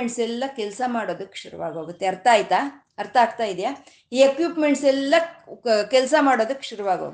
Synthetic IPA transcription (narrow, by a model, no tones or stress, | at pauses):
eɳʈsɛlːɐkɛlsɐmaːɽo̞ːd̪ukːe̥ʃuɾṵʋa̰ːɡoːɡut̪ːeɐɾt̪ʰaːjit̪aː | ɐɾt̪ʰɐaːɡt̪aːjid̪ijaː | iːekjuːpme̞ɳʈsɛlːɐkɛlsɐmaːɽo̞ːd̪ukːʃuɾuʋaːɡo̰ːɡ